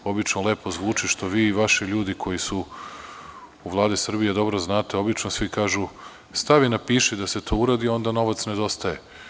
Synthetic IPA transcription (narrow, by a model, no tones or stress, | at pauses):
o̞bit͡ʃnolˠe̞ːpo̞zʋuːt͡ʃiʃt̪o̞ʋiːiʋaʃiʎuːd̪ikʰo̞jisu | uʋlˠaːd̪isr̩bijed̪o̞bɾo̞znaːt̪e̞o̞bit͡ʃnosʋikaːʒu | st̪aʋinapiːʃid̪ase̞t̪ʰo̞ːuɾaːd̪io̞nd̪ano̞ʋat̪sne̞d̪o̞st̪aje̞